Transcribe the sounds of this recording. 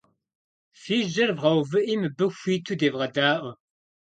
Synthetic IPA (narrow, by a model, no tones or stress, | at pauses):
fiːʒɐɾvʁɐwvɨʔimɨbəxʷiːt̪ʰud̪eːvʁɐd̪aːʔʷə